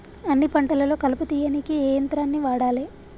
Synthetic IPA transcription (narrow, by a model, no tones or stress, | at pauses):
ɐnːipɐɳʈɐlɐlo̞ːkɐlɐput̪iːjɐnikiɛːjɐnt̪ɾaːnːiʋaːɽaːleː